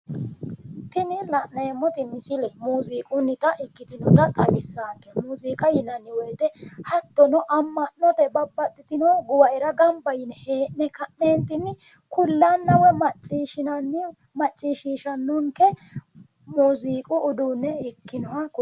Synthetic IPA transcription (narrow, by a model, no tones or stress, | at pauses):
t̪ɪnɪlɐʔnɐɛmːɔt̪ɪmɪsɪlɛmuːziːkʼʊnːɪt̪ɐʔɪkːɪt̪ɪnɔt̪ɐt̪ʼɐmɪsːaːkːɛmuːziːkʼɐjɪnɐnːɪwɔjt̪ɛhɐt̪ːɔnɔʔɐmːɐnːɔt̪ɛbɐbːɐt̪ʼːɪt̪ɪnɔɡʊwɐʔɛɾɐɡɐmbɐjɪnheːnnɛkɐʔneːnt̪ɪnɪkʊlːanːɐwɛmɐt͡ʃʼiːʃɪnɐnːɪ | mɐt͡ʃʼːiːʃiːʃɐnːʊŋkɛ | muːziːkʼʊːd̪uːnːɛɪkːɪnɔwɐkʊ